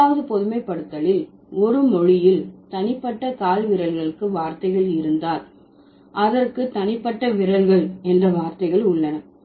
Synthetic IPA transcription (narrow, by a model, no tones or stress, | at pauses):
aːʋɐðɯpɔðɯmɐɪpːɐɽɯt̪ːɐlɪl | ɔɾɯmɔɻɪjɪlt̪ɐnɪpːɐʈːɐkaːlʋɪɾɐlɣɐɭɯkːɯʋaːɾt̪ɐɪɣɐɭɪɾɯnd̪aːɾ | ʔɐðɐrkɯt̪ɐnɪpːɐʈːɐʋɪɾɐlɣɐɭɛndrɐʋaːɾt̪ɐɪɣɐɭʊɭːɐnɐ